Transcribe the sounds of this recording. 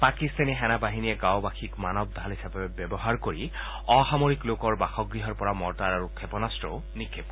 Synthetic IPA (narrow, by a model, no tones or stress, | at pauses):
pakist̪anixɛnabaɦinijɛɡawbaxʰikmanɔb̚d̪ʱalɦisapɛbjɛbɔɦaɹkoɹi | ɔxamoɹiklokɔɹbaxɔɡɹiɦɔɹpɔɹamɔɹtaɹaɹukʰɛpɔnastɹɔ | nikʰːep